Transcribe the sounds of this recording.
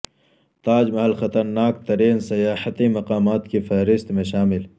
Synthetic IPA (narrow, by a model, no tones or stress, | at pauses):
t̪aːd͡ʒmɐɦɐlxɐt̪ɐɾnaːkt̪ɐɾeːnsɐjaːħət̪imɐqaːmaːt̪kefɐɦɾɪst̪mẽʃaːmɪl